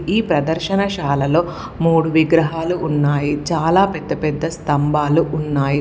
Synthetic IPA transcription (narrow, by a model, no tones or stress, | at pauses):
iːpɾɐd̪ɐɾʃɐnɐʃaːlɐlo̞ː | muːɽuʋiɡɾɐɦaːluʔunːaːjit͡ʃaːlaːpɛd̪ːɐpɛd̪ːɐst̪ɐmbʱaːluʔunːaːji